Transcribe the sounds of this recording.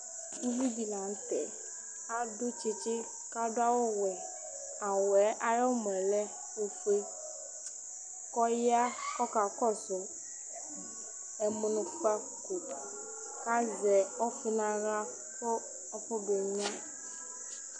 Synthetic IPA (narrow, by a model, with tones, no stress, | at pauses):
u˦vi˦bi˨nã˨ŋ̩˦t̪ɛ˨ | a˦ɖo˦t͡ʃe˦t͡ʃe˦ | ka˦ɖo˦a˦wo˦wɛ˨ | a˨wɛ˨˦ʔa˨jɔ˦mɛ̃˨lɛ˦ | o˦fe˦ | kɔ˦ja˦kɔ˦ka˨kɔ˦so˨ | ɛ˨mu˨nũ˨˦ɸa˦˨ku˨t̪ | ka˦zɛ˨ɔ˦fe˦nã˦ɣa˦ | ɸo˦ | ɔ˦ɸɔ˦be˨ɲĩ˦ã˦